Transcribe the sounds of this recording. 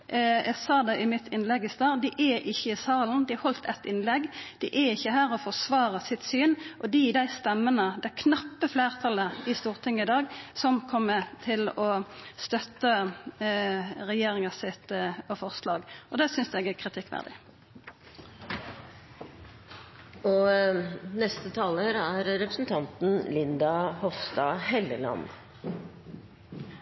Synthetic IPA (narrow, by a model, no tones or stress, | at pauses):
ɛɡsɑːd̪ɛʔɪmɪt̪ʰɪnlɛɡɪst̪ɑːʁd̪ɪʔɛʔɪçːəɪsɑːln̩d̪ɪhɔlt̪ɛt̪ːɪnlɛɡd̪̥ɪʔæɪçːəɦæːʁɔfɔʁsʋɑːʁəsɪt̪syːnʔɔd̪ɪd̪æɪst̪ɛmːənəd̪ɛkʰnɑpːəfleːʁt̪ʰɑləɪst̪uːʁt̪ʰɪŋːəɪd̪ɑːɡsɔmkʰɔmːət̪ʰɪlɔst̪œt̪ːə | ʁɛjeːɾɪŋɑsɪt̪ɔfɔʁslɑːɡɔd̪ɛsʏnsd̪ɛɡækʰʁɪt̪ʰɪkːʋæ̰ʁd̪ɪ̰ | ɔ | nɛst̪ət̪ʰɑːləɾæɾɾɛpɾəsn̩t̪ʰɑnt̪n̩lɪnd̪ɑhɔfst̪ɑːhɛləlɑ̰n